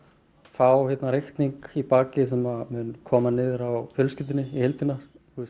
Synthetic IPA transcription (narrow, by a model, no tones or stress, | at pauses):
faːwhɛt̪naɾejht̪niŋkipaːcɪs̬ɛmamʏnkʰɔːmanɪːðɾawfjœlscɪt̪ɪnːɪihɛlt̪ɪnḁ | θus